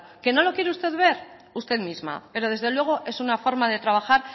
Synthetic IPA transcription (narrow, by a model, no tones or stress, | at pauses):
ke̞no̞lo̞kje̞ɾeust̪e̞ðβe̞ɾ | ust̪e̞ðmizma̰pe̞ɾo̞ð̞e̞zðe̞lwe̞ɣ̞o̞ʔe̞sunafo̞ɾmað̞e̞t̪ɾaβ̞axaɾ